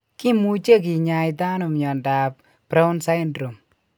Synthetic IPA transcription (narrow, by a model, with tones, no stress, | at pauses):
kɪ˦mu˦t͡ʃe˦k̬i˨ɲa˧jt̪a˦nu˨mɲɔ˨nda˨p | pɾɛ˦ʊ˦nsa˦jndɾo˨m